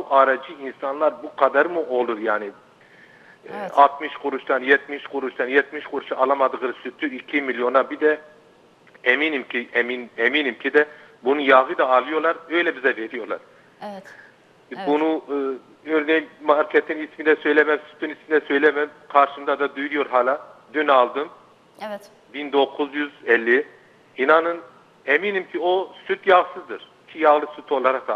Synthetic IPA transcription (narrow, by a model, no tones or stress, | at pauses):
buʔɑɾɑd͡ʒɯinsɑnlˠɑɾbuqʰɑd̪ɑɾmuʔolˠuɾjaːnɪ | ɑt̪miʃqʰʊɾuʃt̪ɑnjɛt̪miʃqʰʊɾuʃt̪ɑnjɛt̪̚miʃqʰʊɾuʃɑɑlˠɑmɑd̪ɯʁɯɾsyt̪ʰːyikʲʰimilijonɑbid̪ɛ | ɛminimkʲʰiɛminɛminimkʲʰid̪ɛ | bunujɑʁɯd̪ɑːlˠɯjoɾlˠɑɾøjlɛbizɛveɾijoɾlˠɑ̰ɾ | bunu | øɾnejimmaɾkʰɛt̪ʰinismind̪ɛsø̞jlʲɛmɛmsy̥t̪ʰːynismind̪ɛsø̞jlʲɛmɛmkʰaɾʃɯmd̪ad̪ad̪ujujo̞ɾɦaːlʲˠad̪ynalˠd̪ɯm | bind̪o̞kʰuzjyzɛlʲːi | inanɯn | emiːnimcʰiosyt̪ʰjaɣsɯzd̪ɯɾ̥ | cʰijɑɣlˠɯsyt̪ʰo̞lˠaɾak̚d̪a